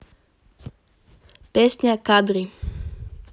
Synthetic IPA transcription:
pɛsɲakad̪ɾi

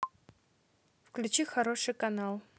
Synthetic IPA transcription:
fklʲʉt͡ɕixɐɾoʂɨjkɐnalˠ

